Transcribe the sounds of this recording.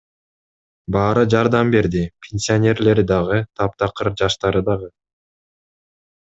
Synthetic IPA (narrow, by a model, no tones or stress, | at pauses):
bɑːɾɯd͡ʒɑɾd̪ɑmbe̞ɾd̪ipʲʰenʲsʲionʲe̞ɾle̞ɾd̪ɑʁɯt̪ʰɑp̚t̪ɑqɯɾd͡ʒɑʃt̪ɑɾɯd̪ɑʁɯ